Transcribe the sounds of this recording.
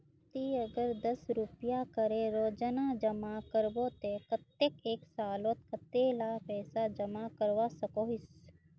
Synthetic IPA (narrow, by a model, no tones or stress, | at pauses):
t̪iɐɡəɾd̪ɐsɾupjakəɾẽɾoːd͡ʒənad͡ʒəmakəɾbot̪ekət̪ːekeːksaːlot̪̚kat̪eːlaːɦpɛːsad͡ʒɐmakəɾʋasɐkoːɦɪs